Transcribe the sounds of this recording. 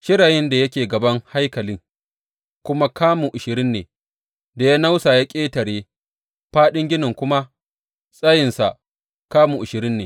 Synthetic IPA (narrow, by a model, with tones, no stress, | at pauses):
ʃɪ˦ɽaː˨jɪ˦nda˨jɐ˦kʲeː˨ɡɐ˨bɐ˦ŋha˦jkɐ˨lɪ˦ŋ | kʷʊ˦ma˦kaː˦mu˨ʔʊ˨ʃɪ˨ɾɪ˦nːeː˨ | da˨ja˦na˦wsaː˨ja˦kʲʼeː˦tɐ˨ɽeː˦ | ɸaː˦ɗɪ˦ŋɡʲɪ˦nɪ˨ŋkʷʊ˦ma˦ | sʼɐ˦jɪ˨nsa˨ | kaː˦muː˨ʔʊ˨ʃɪ˨ɾɪ˦nːeː˨